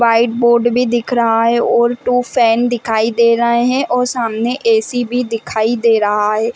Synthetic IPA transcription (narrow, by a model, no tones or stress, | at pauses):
ʋaːɪʈ̚boːɾɖbʱiːd̪ɪkʰɾəɦaːɦɛːoːɾʈuːpʰɛːnd̪ɪkʰaːiːd̪eːɾəɦeɦɛ̃ːʔoːsaːmnẽːʔeːsiːbʱiːd̪ɪkʰaːid̪eːɾəɦaːɦɛː